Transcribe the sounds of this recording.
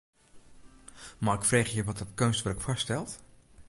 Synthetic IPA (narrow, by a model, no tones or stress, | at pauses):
maɪkfreːxjəʋɔt̚dɔtkønstʋɛrkfɔstɛlˠt